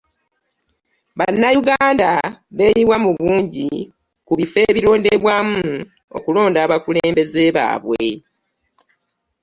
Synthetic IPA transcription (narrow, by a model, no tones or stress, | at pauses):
βanːajuɡaːndaβe̞ːjiβwamuβuːɲɟi | kuβife̞ːβiɾo̞ːndeβwaːmu | o̞̰kulo̞ːndaːβakuleːmbe̞ze̞βa̰ːβwe